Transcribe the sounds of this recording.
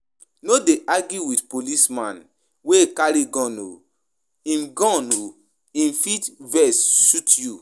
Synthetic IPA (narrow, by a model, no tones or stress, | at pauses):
nodeʔaɡjuwitpolismãn | wekaɾiɡɔ̃no̰ | ĩmɡɔ̃no | ĩnfitvɛsʃutju